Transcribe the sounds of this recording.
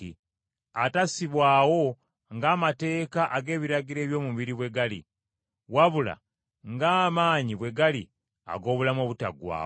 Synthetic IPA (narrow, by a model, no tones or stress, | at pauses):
atasiβwaːwo̞ | ŋɡaːmate̞ːkaʔaɡe̞ːβiɾaɟiɾe̞ːβjo̞ːmuβiɾiβwe̞ɡalḭ | waβula̰ | ŋɡaːmaːɲiβwe̞ɡali | a̰ɡo̞ːβulamoβuta̰ɡwa̰ː